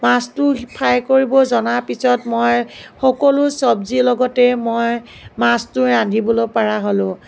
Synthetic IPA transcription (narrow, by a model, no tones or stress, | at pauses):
mastʊpʰajkoɹibɔzɔnaɹpisɔtmɔjxɔkɔlʊsɔbzilɔɡɔtɛmɔj | mastʊadʱibɔlopaɹaɦolʊ̃